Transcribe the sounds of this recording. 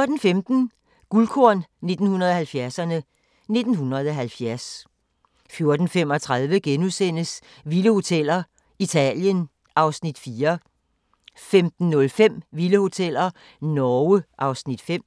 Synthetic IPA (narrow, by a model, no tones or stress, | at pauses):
joɐd̥n̩femd̥n̩ | ɡ̥ulkʰoɐnne̝d̥n̩hunɐð̞̩ˠɒ̽hælfjæɐsɐnə | ne̝d̥n̩hunɐð̞̩ˠɒ̽ɦælfjæɐs | fjo̝ɐd̥n̩fem̰ɒ̽t͡sʰʁað̞ˠʋəɡ̥enusen̰əs | ʋiləho̝t͡sʰel̰ɐ | it͡sʰɛ̰ljən | ʔɑ̈ʊsnid̥fiːɐ | femd̥n̩ːɔ̽lfem̰ʋiləho̝t͡sʰel̰ɐ | nɒʊəʔɑ̈ʊsnid̥fem̰